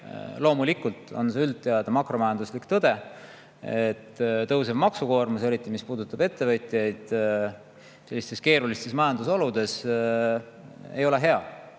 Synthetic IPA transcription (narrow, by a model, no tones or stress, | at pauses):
lo̞ːmulikːˑult̪ˑo̞̰nseylt̪ːeɑd̪̥ɑmɑkro̞mɑjɑnd̪uslikt̪ɤd̪̥e̞ | et̪ːt̪ɤws̬evmɑksuko̞ːrmuse̞ɾit̪ːˑimispuːd̪ut̪ˑːɑbe̞t̪ːe̞vɤjt̪ʲˑijɑjd̪̥ | se̞lːist̪e̞ske̞ːɾulist̪e̞smɑjɑnd̪uso̞lud̪̥e̞s | ejo̞le̞ɦe̞ɑ